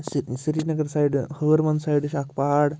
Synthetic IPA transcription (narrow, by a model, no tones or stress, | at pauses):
ssiɾinɐɡəɾsajɖhəːɾmɐnsajɖɕakpaɽ